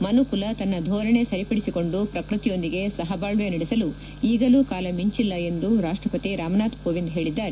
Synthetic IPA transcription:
mɐnukulɐt̪ɐnːɐd̪ʱɔːɾɐɳe̞sɐɾipɐɽisiko̞ɳɖupɾɐkɾut̪ijo̞nd̪iɡe̞sɐɦɐbaːɭʋjɐniɽesɐlu | iːɡɐluːkaːlɐmiɲt͡ʃilːɐe̞nd̪uɾaːʂʈɾɐpɐt̪iɾaːmɐnaːt̪koːʋind̪ɦe̞ːɭid̪ːaːɾe

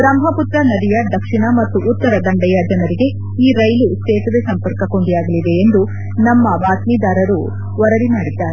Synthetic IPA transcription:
bɾɐmɦɐput̪ɾɐnɐd̪ijɐd̪ɐkʂiɳɐmɐt̪ːuʔːt̪ːɐɾɐd̪ɐɳɖɐjɐd͡ʒɐnɐɾiɡe̞ | iːɾɐjlust͡ʃeːt̪ɐd̪esɐmpɐɾkɐko̞ɳɖijaːɡɐlid̪e̞ːnd̪u | nɐmːɐbaːt̪mid̪aːɾɐɾu | ʋɐɾɐɾimaːɽid̪ːaːɾe

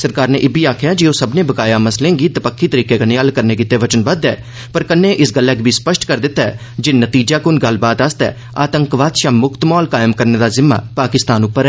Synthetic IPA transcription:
səɾkaːɾneːʔɪbiːaːkʰjaːd͡ʒioːsəbnẽːbəkaːjaːməslẽːɡiːd̪əpəkʰːiːt̪əɾiːkeːkəneəlkəɾnẽːkɪt̪ːeːʋət͡ʃənbəd̪ɛː | pəɾkənːeːʔɪsɡəlːɛːkbʱiːspəʃʈkəɾd̪ɪt̪ːaɛ̰ː | d͡ʒɪnət̪iːd͡ʒaːkʊnɡəlːbaːd̪əst̪ɛ̰ː | aːt̪əŋkʋaːd̪ʃaːmʊkt̪mɔːlkaːjmkəɾneːd̪aːzɪmːa̰ːpaːkɪst̪aːnʊpːəɾɛ

